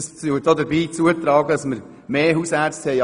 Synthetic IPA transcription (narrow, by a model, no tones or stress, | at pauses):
st͡sydoːdəɾbiːt͡suətɾɑːɡədɑsməɾ | meːɦusæɾt͡sthɛɪ